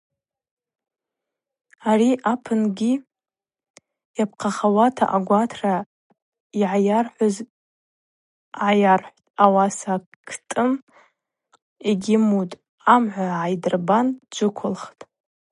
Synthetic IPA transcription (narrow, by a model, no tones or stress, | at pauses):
ariʔapʰɨnɡʲi | japʰqʰaχawatʰa̰ʔaɡʷatʰra | iʕajarħʷʊz | ʕajarħʷtʼawasa | kʰtʼɨm | eɡʲɪmutʼ | amʕʷaʕajdrband͡ʒʷɨkʷʰʊlχtʼ